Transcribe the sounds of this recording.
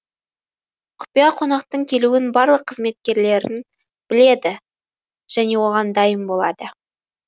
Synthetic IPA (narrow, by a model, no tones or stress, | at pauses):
qʰʊ̥pijɑqʰo̞nɑq̚t̪əɴkʲʰe̞luɪnbɑɾlˠəqʰːəzme̞t̪̚kʲe̞ɾle̞ɾɪ̰n | b̥ɪle̞d̪ɪ | ʒ̥æne̞wo̞ʁɑnd̪ɑjəmbolˠɑ̰d̪ə